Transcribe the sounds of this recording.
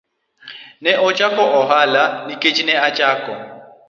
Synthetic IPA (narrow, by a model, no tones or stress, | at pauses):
nɛʔɔt͡ʃʼakʼɔʔɔɦalanikʼet͡ʃʼinɛat͡ʃʼaːkʼɔ